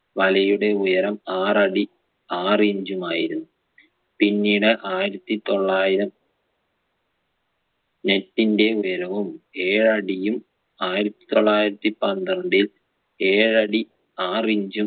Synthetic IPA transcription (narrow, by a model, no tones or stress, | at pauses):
ʋɐlɐjuɽe̞ujɐɾɐmaːrɐɽi | aːriɲd͡ʑumaːjiɾunːu | pinːiːɽɨʔaːjiɾɐt̪ːit̪o̞ɭːaːjiɾɐm | ne̞tːinde̞ujɐɾɐʋume̞ːɻɐɽijum | aːjiɾɐt̪ːi̥t̪o̞ɭːaːjiɾɐt̪ːipɐnd̪ɐɳɖil | e̞ːɻɐɽi | aːriɲd͡ʑum